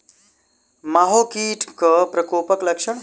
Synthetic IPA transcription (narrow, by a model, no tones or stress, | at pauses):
maːɦoːkiːʈʰkəpɾɐkoːpəklɐkʃəɳ